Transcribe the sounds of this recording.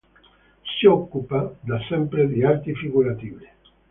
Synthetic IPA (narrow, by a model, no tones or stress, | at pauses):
siokːupad̪asɛmpɾed̪iaɾt̪ifiɣuɾat̪iβe